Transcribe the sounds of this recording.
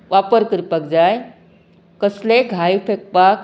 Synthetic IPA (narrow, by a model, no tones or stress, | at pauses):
ʋapəɾkɾpək̚d͡zaj | kəsleɡʱajfʰek̚pak